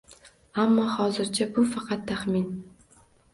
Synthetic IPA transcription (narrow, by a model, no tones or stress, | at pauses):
amːɒhɒːzɪɾt͡ʃʰabʊfɑqʰɑt̪ʰːaχmin